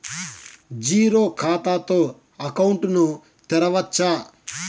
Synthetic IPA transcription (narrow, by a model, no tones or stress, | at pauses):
d͡ʒiːɾoːkʰaːt̪aːt̪o̞ː | ɐkɐwɳʈnu | t̪ɛɾɐʋɐt͡ʃːaː